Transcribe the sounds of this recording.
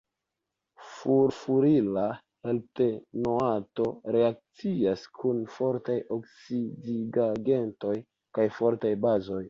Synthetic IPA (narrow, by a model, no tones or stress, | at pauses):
fuɾfuɾila | he̞lte̞noato̞ɾe̞ak̚t͡siaskʰunfo̞ɾtajoksidiɡaɡe̞nto̞j | kajfo̞ɾtajbazo̞j